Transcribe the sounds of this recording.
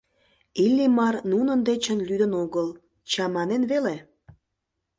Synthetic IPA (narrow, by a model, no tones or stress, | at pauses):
ilʲːimɑrnunənd̪et͡ɕənlyd̪ə̆noɣəl | t͡ɕɑmɑnenβele